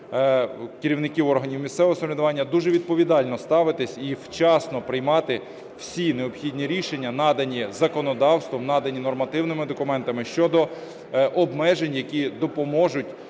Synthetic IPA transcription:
kɪɾʲiwnɪkʲiwɔrɦɐnʲiwmʲist̪sɛʋoɦɔsɐmɾʲɪd̪ʊʋɑnʲːɐd̪uʒɛʋʲid̪̚pɔʋʲid̪ɑlʲnɔst̪ɑʋɪt̪ɪsʲiwt͡ʃɑsnɔpɾɪjmɑt̪ɪ | w̥sʲineɔpxʲid̪ʲnʲiɾʲiʃenʲːɐnɑd̪ɐnʲizɐkɔnɔd̪ɑwst̪ʋɔmnɑd̪ɐnʲinɔrmɐt̪ɪwnɪmɪd̪ɔkʊmɛnt̪ɐmɪʃt͡ʃɔd̪ɔ | ʔɔbmɛʒenʲjɐkʲid̪ɔpɔmɔʒʊtʲ

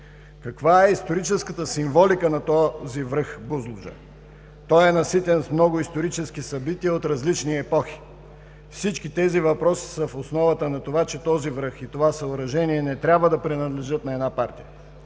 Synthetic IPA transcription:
kɐkvaɛist̪oɾit͡ʃɛskət̪əsiɱvɔlikənɐt̪ɔzivɾɤxbuzlˠʊʒə̰ | t̪ɔjɛnɐsit̪ɛnsmnɔɡʊist̪oɾit͡ʃɛsk̟isɐbit̪iəot̪ɾɐzlit͡ʃniɛpɔxi̥ | fsit͡ʃkit̪ɛzivɐpɾɔsi̥səfosnɔvɐt̪ənɐt̪ovat͡ʃɛt̪ɔzivɾɤxit̪ovasɐʊɾɐʒɛniɛnɛt̪ɾʲabvəd̪ɐpɾinɐd̪lɛʒɤt̪nɐɛd̪napaɾt̪ijə̰

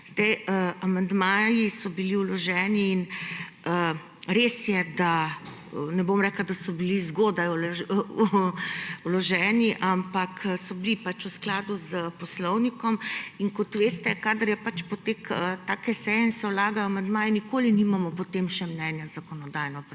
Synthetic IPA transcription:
zd̪ɛjəamand̪maːjisɔbiliulɔʒɛːniːn | ə | ɾesjɛd̪a | nɛbomɾɛklad̪asɔbilizɡoːd̪ajl | ulɔʒɛːniʔampaksɔbilipat͡ʃusklaːd̪uzəpɔslɔwnikɔmiŋkɔt̪ʋeːst̪ɛkaːd̪əɾjɛpat͡ʃpɔt̪ekət̪aːkɛsɛjɛinsɛwlaːɡajamand̪maːjɛnikoːliniːmamɔpɔt̪emʃɛmnɛnjazakɔnɔd̪aːjnɔpɾ

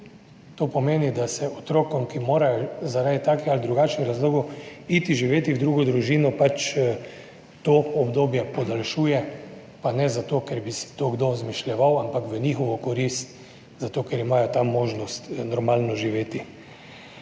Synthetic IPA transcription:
t̪oːpɔmeːnid̪asɛʔɔt̪ɾoːkɔmkimoːɾajɔzaɾaːd̪it̪aːkɛalid̪ɾuɡat͡ʃniɾazloːɡuit̪iʒiʋeːt̪iwd̪ɾuːɡɔd̪ɾuʒiːnɔpat͡ʃ | t̪oɔbd̪oːbjɛpɔd̪alʃuːjɛ | panɛzat̪oːkɛɾbisi̥t̪oɡd̪ozmiʃlʲjɛʋawampakʋənixɔʋɔkɔɾist̪ | zat̪oːkɛɾimaːjɔt̪amːoːʒnɔst̪nɔɾmaːlnɔʒiʋeːt̪i

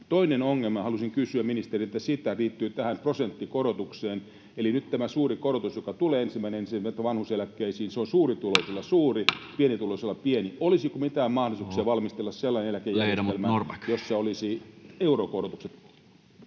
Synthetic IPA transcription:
t̪oinenoŋːelmɑhɑlusiŋkysyæmminist̪eriet̪ːæsit̪æliːt̪ːyːt̪æhæmprosent̪ːikoɾot̪ukseːn | elinyt̪t̪æmæsuːrikoɾot̪usjokɑt̪uleːensimːæineensiet̪ːæʋɑnhuselækːeisiːnseonsuːrit̪ulosolːɑsuːripienit̪ulosolːɑppieniolisikomit̪æːmmɑhdosuksiɑʋɑlmist̪elːɑsselːɑinenelækejːæreeelmærkjosːɑolisieurokorot̪ukset̪

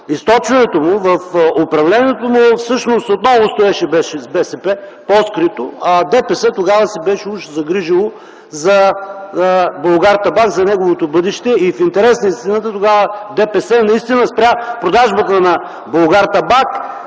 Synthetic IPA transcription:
ist̪ɔt͡ʃvɐnɛt̪omʊvɐfopɾɐvlɛnʲiɛt̪omʊfsɤʃnost̪ot̪nɔvost̪oɛʃɛbɛʃɛzbɛsɛpɛpɔskɾit̪o̰d̪ɛpɛsɛt̪oɡavɐsibɛʃɛuʃzɐɡɾiʒilˠo | zɐ | bolˠɡaɾt̪ɐbakzɐnɛɡovot̪obɤd̪ɛʃt̪ɛifint̪ɛɾɛsnəist̪inət̪ət̪oɡavəd̪ɛpɛsɛnɐist̪inəspɾʲjapɾod̪aʒbət̪ənɐ | bolˠɡaɾt̪ɐbak

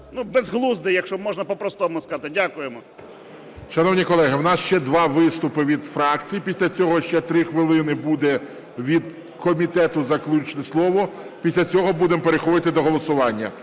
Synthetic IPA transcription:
nubɛzɦlˠuzd̪ɪjɐkʃɔmɔʒnɐpɔpɾɔst̪ɔmʊskɐɑt̪ɪdʲakʊjemɔ | ʃɐnɔwnʲikɔlˠɛɦɪwnɑsʃt͡ʃɛd̪ʋɑʋɪst̪ʊpɪʋʲid̪fɾɑk̚t͡sʲijipʲisʲlʲɐt͡sʲɔɦɔʃt͡ʃɛt̪ɾɪxʋɪlˠɪnɪbud̪ɛ | ʋʲid̪ | kɔmʲit̪ɛt̪ʊzɐklʲut͡ʃnɛslˠɔʋɔpʲisʲlʲɐt͡sʲɔɦɔbud̪empeɾexɔd̪ɪt̪ɪd̪ɔɦɔlˠɔsʊʋɑnʲːɐ

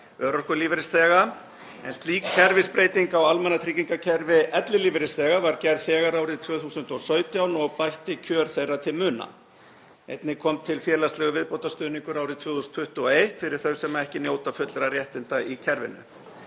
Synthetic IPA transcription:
œːɾɔhkʏliːvɪɾɪst̪ɛːɣa | ɛnst̪liːkcʰɛɾvɪspɾejt̪iŋkawalmɛnat̪ʰɾiciŋkacʰɛɾvɪɛt̪lɪliːvɪɾɪst̪ɛːɣavaɾcɛɾðθɛːɣaɾaːwɾɪðt̪ʰvœːθuːsʏnt̪ɔsœːɥt̪jawnɔɣpajht̪ɪcʰœːɾ̥θejrːat̪ʰɪlmʏːna̰ | ejt̪nɪkʰɔmt̪ʰɪlfjɛːlast̪lɛɣʏvɪðpowt̪ast̪œːniŋkʏɾawɾɪðt̪ʰv̥ʏːθusnfʰʏht̪ʏɔejht̪fɪɾɪɾ̥θœɥsɛmːaɛhcɪnjoːwt̪afʏt̪lɾarjɛht̪ɪnt̪aicʰɛɾvɪ̰nːʏ̰

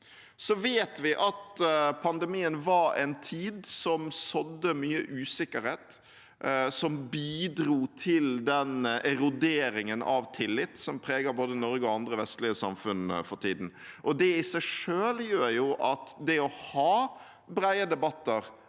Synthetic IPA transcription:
sɔʋeːt̪ʋɪʔɑt̪pʰɑnd̪ɛmiːənʋɑɾɛ̰nt̪ʰiːd̪sɔmsɔd̪ːəmyːəʔʉːsɪkəɾheːt̪ | sɔmbiːd̪ɾuːt̪ʰɪld̪ɛnɛɾʊd̪eːɾɪŋənɑ̰ʋt̪ʰɪlːɪt̪ːsɔmpʰɾeːɡəboːd̪ənɔɾɡəɔɑnd̪ɾəʋɛst̪lɪəsɑ̰mfʉnə̰fɔɾʈʰḭːd̪n̩ʔɔd̪ɛɪsæɪʂøːljøːɾjʊʔɑt̪d̪ɛɔhɑː | bɾæɪəd̪ɛbɑt̪ːəɾ

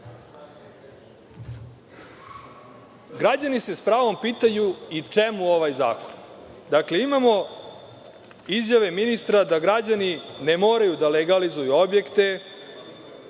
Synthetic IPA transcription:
ɡɾad͡ʑanise̞spɾaːʋo̞mpiːt̪ajuit͡ʂe̞muo̞ʋajza̰ːkond̪akle̞imamo̞ | izjaʋe̞minist̪ɾad̪aɡɾad͡ʑanine̞mo̞ːɾajud̪aleɡalizujuo̞bje̞kt̪e̞

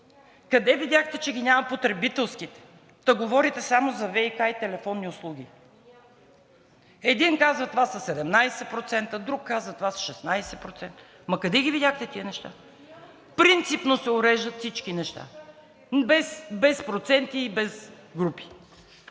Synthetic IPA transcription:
kɐd̪ɛvidʲjaxt̪ɛt͡ʃɛɡʲinʲamɐpot̪ɾɛbit̪ɛlˠskit̪ɛ̥ | d̪̥ɐɡovɔɾit̪ɛsamozɐvɛikajt̪ɛlɛfɔnːiʊslˠuɡ̟ʲi | ɛd̪inkazvɐt̪ovasɐsɛd̪ɛmnajsɛpɾot̪sɛnt̪əd̪ɾukːazvɐt̪ovasʃɛsnajsɛpɾot̪sɛnt̪ə | mɐkɐd̪ɛɡʲivid̪ʲaxt̪ɛt̪iənɛʃt̪a̰ | pɾint̪sipnosɛʊɾɛʒd̪ət̪fsit͡ʃkinɛʃt̪a̰ | bɛsbɛspɾot̪sɛnt̪iːbɛz | ɡɾupi̥

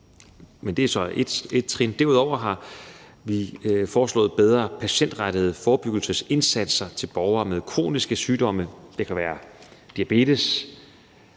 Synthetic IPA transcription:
mend̥e̝æsɒ̽ed̥e̝d̥̚t͡sʰʁind̥æɐuð̰ˠɒʊ̰ɐɦɑ̈ | ʋifɒːslɔ̰̽ːð̩ˠb̥eð̞ˠʁɐpʰæɕen̰d̥ʁaɾ̥əð̞̩ˠfɒːb̥yɡ̥l̩səse̝nsæd̥sɐt͡sʰe̝lb̥ɒːʊɐːmeð̞ˠkʰʁo̝̰ːnisɡ̥əsyːd̥ɒ̽məd̥ekʰæʋæːɐd̥iæb̥e̝̰ːd̥əs

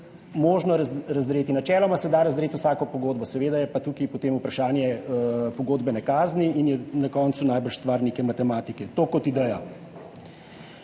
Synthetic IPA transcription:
moːʒnɔɾɾɐzd̪ɾeːt̪inat͡ʃɛːlɔmasɛd̪aɾɐzd̪ɾeːt̪uwsaːkɔpɔɡoːd̪̚bɔsɛʋeːd̪ajɛpat̪ukipɔt̪eːmupɾaʃaːnjɛpɔɡoːd̪bɛnɛkaːzniinjɛnakɔːnt̪sunajbəɾʃst̪ʋaːɾnekɛmat̪ɛmaːt̪ikɛt̪oːkɔt̪id̪ɛja

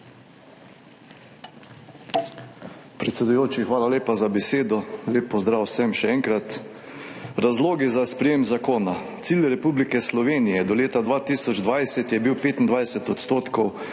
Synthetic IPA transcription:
pɾɛt̪sɛd̪ujoːt͡ʃixʋaːlaleːpazabɛseːd̪ɔleːpːɔzd̪ɾaːwsɛmʃɛɛŋkɾat̪ | ɾazloːɡizaspɾɛjeːmzakoːnat̪siːlɾɛpublikɛslɔʋeːnijɛd̪ɔleːt̪ad̪ʋaːt̪iːsɔd͡ʒd̪ʋajsɛt̪jɛbiwpeːt̪ind̪ʋajsɛt̪ɔt̪st̪oːt̪kɔw

